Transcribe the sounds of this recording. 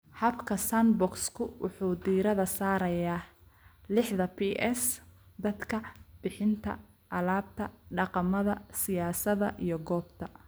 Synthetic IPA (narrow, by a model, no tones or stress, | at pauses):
hɐbkʰɐsanbɔkskʰʊwʊ̰ħuːd̪iːɾɐðɐsaːɾɐjaːlɪħðɐpʰiʔɛsd̪ɐd̪kʰɐb̥ɪħɪnt̪ʰɐ̰ | ʔɐlaːb̚t̪ʰɐɖɑqɑmɐðɐsɪjaːsɐðɐ̰ʔijɞɡɔːbt̪ʰɐ